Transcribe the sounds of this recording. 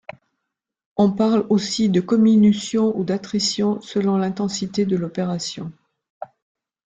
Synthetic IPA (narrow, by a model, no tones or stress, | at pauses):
ɔ̃paʁlosid̪əkɔminysjɔ̃ud̪at̪χisjɔ̃səlɔ̃lɛ̃t̪ɑ̃sit̪ed̪əlɔpeʁasjɔ̃